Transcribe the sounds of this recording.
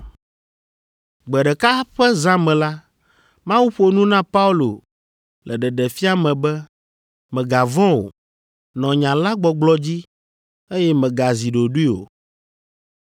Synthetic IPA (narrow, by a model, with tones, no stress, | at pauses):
ɡ͡bɛ˨ɖɛ˨ka˦ɸɛ˦zã˦mɛ̃˨la˦ | mã˦wu˦ɸo˨˦nũ˦nã˦pa˦u˦lo˨ | lɛ˨ɖɛ˨ɖɛ˨fi˦a˨mɛ̃˨bɛ˦ | mɛ̃˨ɡa˨vɔ̃˦o̰˨ | nɔ̃˨ɲã˨la˦ɡ͡bɔ˨ɡ͡blɔ˦d͡ʑi˦ | e˦jɛ˦mɛ̃˨ɡa˨zi˨ɖo˨ɖu˦i˦o̰˨